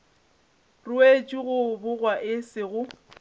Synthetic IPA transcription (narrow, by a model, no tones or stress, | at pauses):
rʊet͡ʃʼiɣʊbʊɣwaʔɪsɪɣʊ